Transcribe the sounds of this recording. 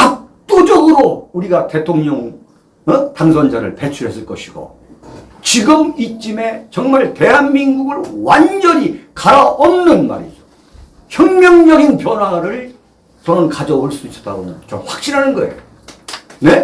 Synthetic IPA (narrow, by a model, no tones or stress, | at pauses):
kak̚t͈od͡ʑʌɡɯɾouɾiɡate̞tʰoŋɲʌŋ | taŋsʰʌnd͡ʑaɾɯ̰ɭpet͡ɕʰuɾɦe̞s͈ɯɭk͈ʌɕʰiɡo̰ | t͡ɕiɡɯmit͡ɕ͈ime̞t͡ɕʌŋmaɭte̞ɦanminɡuɡɯɭwand͡ʑʌɾikaɾaʔʌmnɯnma̰ɾḭd͡ʑo̥ | çjʌŋmjʌŋɲʌɡinpjʌnwaɾɯɭ | t͡ɕʌnɯnkad͡ʑʌoɭs͈uis͈ʌ̥t͈aɡomjʌnt͡ɕʌɸwak̚ɕ͈iɾɦanɯnɡʌe̞̰jo | ne